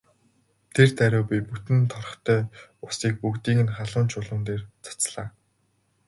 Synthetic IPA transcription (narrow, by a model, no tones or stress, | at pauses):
t̪ʰert̪æɾʲʊːpʲiput̪ɘ̆nt̪ʰɔɾɞ̆χt̪ʰœːʊsiːk̚pukt̪iːŋɘ̆nχaɮʊːnt͡ɕʊɮə̆nt̪eːrt͡sʰḁt͡sɮaː